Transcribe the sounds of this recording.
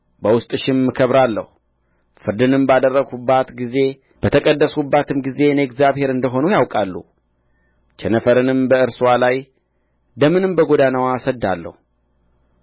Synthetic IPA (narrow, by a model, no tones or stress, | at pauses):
bəwʊst̪ʼɨʃɪmːɨkʰəβɾalːə̰hu | fɨɾd̪ɨnɨmbad̪ərːəɡubːat̪ɡize̞ | b̥ət̪ʰəkʼəd̪ːəsubːat̪ʰɨmɡize̞neɛkzjaβhe̞ɾɨnd̪əɦo̞nujawkʼalːṵ | t͡ʃʰɛnəfəɾɨnɨmbəɨɾswalaj | d̪əmɨnɨmbəɡo̞d̪anawasəd̪ːa̰lːə̰hu